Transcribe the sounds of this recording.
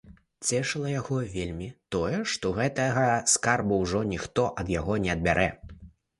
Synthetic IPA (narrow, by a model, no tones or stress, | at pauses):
t͡sʲɛʂɨlˠɐjaɣɔvʲelʲmʲit̪ɔjɛʂt̪ɔɣɛt̪ɐɣɐskarbuwʐɔnʲixt̪ɔʔɐd̪jaɣɔnʲɛɐd̪̚bʲaɾʔɛ